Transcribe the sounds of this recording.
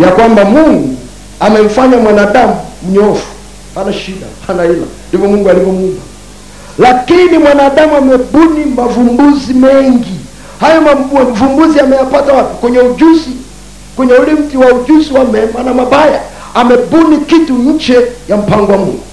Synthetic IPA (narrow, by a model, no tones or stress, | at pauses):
jakwambamuŋɡu | amɛm̩faɲamwanaːɗamum̩ɲɔfu̥ | hanaʃiɗa̰hanaila̰ndivɔmuŋɡualivɔmuma | lakinimwanaːɗamuamɛɓunimavumbuzimɛŋɡi | hajɔmaam̩vumbuziamɛjapatawatukwɛɲɛud͡ʒuzi | kwɛɲɛulim̩tiwauʄuziwamɛmwanamaɓaja | amɛɓunikituɲ̩t͡ʃɛjam̩paŋɡwamuŋɡu